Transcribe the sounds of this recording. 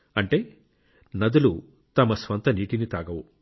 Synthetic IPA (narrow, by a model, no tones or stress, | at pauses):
ɐɳʈe̞ː | nɐd̪ulu | t̪ɐmɐsʋɐnt̪ɐniːʈinit̪aːɡɐʋu